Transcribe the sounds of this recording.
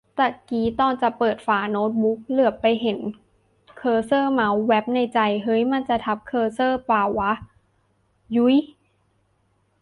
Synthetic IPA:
t̪ɛː˨˩kiː˨˦t̪ɔː˧˩nt͡ɕa˨˩pɤː˨˩t̪̚faː˨˩noː˦˥t̪̚bu˦˥k̚lɯ˨˩əpːa˧jɦe˩˦n | kʰɤː˧sɤː˥˩ma˧˦˥wːɛ˦˥p̚na˧jt͡ɕa˧˩jɦɤ˦˥jma˧˨nt͡ɕa˨˩t̪ʰa˦˥p̚kʰɤː˧sɤː˥˩paː˨˩wːa˦˥ʔ | ju˦˥j

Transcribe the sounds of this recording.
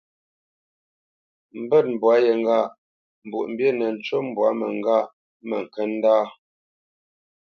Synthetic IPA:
m̩˨bɛ˦˨t̚m̩˨bwa˨˦jə˨ŋ˨ɡa˦˨ʔ | m̩˨bṵ˨ʔm̩˨bje˦nə˨n̩˨˦t͡ʃo˦m˨bwa˨˦mə˨ŋ˦ɡa˦˨ʔ | mə˨ŋ̩˨kə˦n˦daː˦

